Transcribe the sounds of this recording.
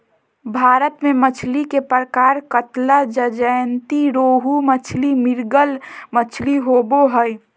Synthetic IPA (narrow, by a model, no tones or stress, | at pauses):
bʱaːɾət̪mẽmət͡ʃʰlikepɾəkaːɾkət̪lad͡ʒəd͡ʒəjnt̪iɾoːɦumət͡ʃʰlimɪɾɡəlmət͡ʃʰliɦoboɦəj